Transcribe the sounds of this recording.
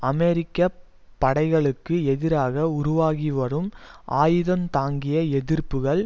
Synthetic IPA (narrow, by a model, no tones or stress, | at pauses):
ɐmɛɾɪkːɐ | pːɐɽɐɪɣɐɭɯkːɯɛðɪɾaːɣɐʊɾʊʋaːɣiʋɐɾɯmʔaːjɯðɐmt̪aːŋɡɪjɐɛðɪrpɯɣɐɭ